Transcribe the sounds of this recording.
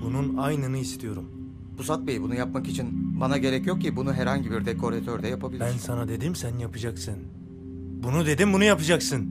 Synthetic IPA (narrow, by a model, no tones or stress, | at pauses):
bununajnɯnɯist̪ʰijo̞ɾum | busat̪̚bejibunujap̚makit͡ʃʰinbanaɟe̞ɾɛcjo̞k̚cʰibunuɦɛɾɦaɲɟibiɾd̪ekʰo̞ɾet̪ʰøɾd̪ɛjapʰabilʲbænsanad̪e̞d̪imsænjapʰɯd͡ʒaksɯn | bunud̪e̞d̪imbunujapɯd͡ʒaksɯn